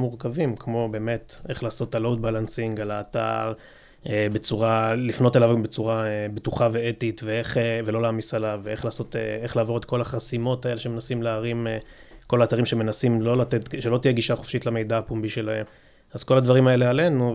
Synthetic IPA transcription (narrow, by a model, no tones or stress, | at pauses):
muʁkavimkmo̞be̞ːme̞t̪e̞χlaːso̞t̪alowd̪̚balansiŋɡalaːt̪a̰ʁ | ebe̞t͡suʁalifno̞telavbet͡suʁaebetuχave̞etitveeχevelo̞laːmisalaveeχlaːso̞tḛeχlaːvo̞ʁet̪̚ko̞laχasimo̞t̪ae̞leʃeme̞nasimleaʁimeko̞laːt̪aʁimʃeme̞nasimlo̞lat̪etʃelo̞t̪ijeɡiʃaχofʃitlame̞jd̪aːpumbiʃe̞lahe̞m | azko̞lad̪vaʁimae̞le̞ale̞nu